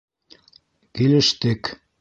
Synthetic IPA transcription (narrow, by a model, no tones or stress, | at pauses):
kilɘ̆ʃt̪ɘk